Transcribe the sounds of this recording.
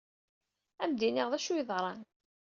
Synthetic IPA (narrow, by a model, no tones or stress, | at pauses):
æmd̪iniʁðˤæʃujðˤɾˤɑn